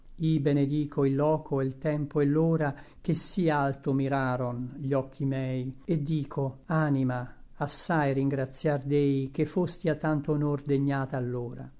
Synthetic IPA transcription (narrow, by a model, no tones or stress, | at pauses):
ibened̪iːkʰoilːɔːkʰoelt̪ɛmpoɛlːoːɾak̟esialt̪omiɾaːɾonʎɔkʰːimɛːjed̪ːiːkʰoanimaasːajriŋɡɾat̪sjard̪ɛjk̟efːost̪iat̪ːant̪oonord̪eɲːaːt̪aːlːoːɾa̰